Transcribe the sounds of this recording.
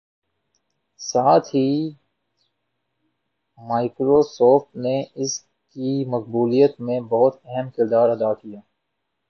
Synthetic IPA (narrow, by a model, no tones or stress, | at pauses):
saːt̪ʰɦi | maːɪkɾoːsoːfʈneɪs | kimɐq̚buːlijət̪mẽbɐɦʊt̪ɛɦɛmkɪɾd̪aːɾɐd̪aːkijaː